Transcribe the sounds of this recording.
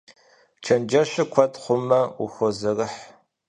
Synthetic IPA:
t͡ʃʰɐnd͡ʒɐɕɪkʷʰɔtχʷʊmɐʊ̰xʷɔzɐrɨħ

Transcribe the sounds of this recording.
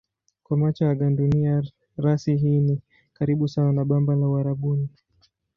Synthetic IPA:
kwamat͡ʃaaɠandunia | ɾasiɦiːni | kaɾiɓusawanaɓambalauaɾaɓuni

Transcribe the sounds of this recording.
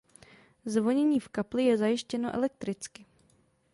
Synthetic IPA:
zvo̞ɲɛɲiːfkaplɪjɛzajɪʃcɛnoʔɛ̰lɛk̚t̪ɾɪt͡skɪ

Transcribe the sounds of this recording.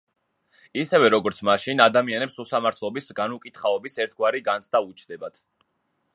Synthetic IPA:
isɛvɛɾɔɡɔɾt̪sʰmaʃinad̪amianɛpsusamaɾt̪ʰlˠɔbisɡanukʼit̪χaɔbisɛɾt̪ʰɡwaɾiɡant̪sʰd̪aut͡ʃʰd̪ɛbat̪ʰ

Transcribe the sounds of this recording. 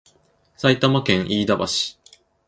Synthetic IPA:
sait̪amakẽ̞ɰ̃ʔiːd̪abaɕi̥

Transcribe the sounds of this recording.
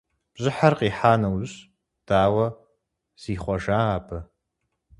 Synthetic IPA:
b̥ʑɪħarqʼiːħaːnɐwɕ | d̥aːwɐ | z̥iːχʷɔʒaːaːpʰɐ

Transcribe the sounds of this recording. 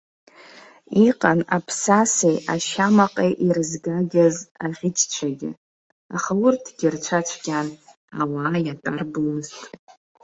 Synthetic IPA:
iqʼana̰pʰsasejaʃamaqʼejʔirɨzɡaɡʲazaʁʲɪtʰʼt͡ʃʷʰaɡʲɪ̰ | aχaurtʰɡʲɪrt͡ʃʷʰat͡ʃʷʰɡʲan | awaːjatʼarbumɨztʼ

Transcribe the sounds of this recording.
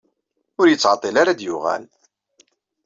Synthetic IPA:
ʊɾjət͡sːʕɑt̪ˤːilaɾad̪jʊʁæ̰l

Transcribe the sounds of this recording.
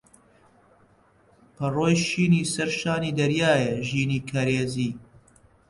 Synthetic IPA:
pʰɐroːjʃiːniːsɐɾʃaːniːd̪ɐɾjaːjeʒiːniːkʰɐɾeːziː

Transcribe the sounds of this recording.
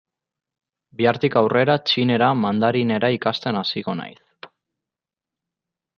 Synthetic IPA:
biaɾt̪ikawre̞ɾat͡ʃine̞ɾamand̪aɾine̞ɾaikast̪e̞nasiɣo̞na̰js

